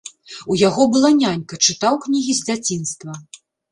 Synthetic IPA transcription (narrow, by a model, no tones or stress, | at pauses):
ujaɣɔbɨlˠanʲanʲkɐt͡ʂɨt̪awknʲiɣʲizʲd͡zʲat͡sʲinst̪vɐ